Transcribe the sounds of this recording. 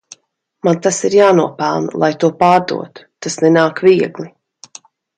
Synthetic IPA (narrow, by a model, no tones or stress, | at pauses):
mant̪asiɾjaːnuɔpælˠnlˠajt̪uɔpaːɾd̪ṵɔt̪u̥t̪asnɛnaːkviɛɡlˠi